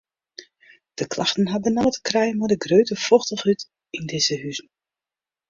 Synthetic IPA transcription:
d̥əklaxtən̩ɦabənɔlətkrɛjəmɔdəɡrøːtəfɔxtəχyt | indɪzəɦyzn̩

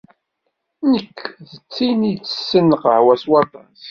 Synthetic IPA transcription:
nəkːðət͡sːinit͡sːə̥sːənːəqəʕwæswɑɾt̪ˤɑnθ

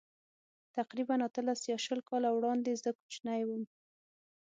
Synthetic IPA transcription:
t̪aqɾibanat̪əlasjɑʃəlkɑlawɽɑnd̪ezəku̥t͡ʃnajwəm

